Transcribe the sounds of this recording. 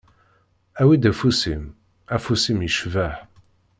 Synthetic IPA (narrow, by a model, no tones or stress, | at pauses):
æwid̪æfusim | æfusimjəʃvæħ